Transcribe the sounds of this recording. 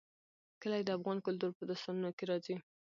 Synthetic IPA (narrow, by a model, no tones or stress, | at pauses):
kəlajed̪əafɣɑnkʊlt̪̬uɾpəd̪ʊst̪ɑnunokeɾɑzi